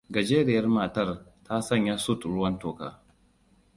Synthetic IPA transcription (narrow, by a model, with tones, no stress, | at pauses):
ɡɐ˨d͡ʒeː˦ɾɪ˦˨jɐ˦rmaː˨tɐ˦rtʰa˦sɐ˦˨ɲja˦su˦tɽʊ˦wɐ˦ntoː˨ka̰ː˦